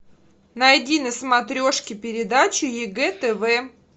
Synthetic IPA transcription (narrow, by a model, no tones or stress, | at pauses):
nɐɐdʲinɨsmɐt̪ɾʲo̞ʂkʲɪpʲɪɾʲɪd̪at͡ɕʊjɪɡɛt̪ɛvɛ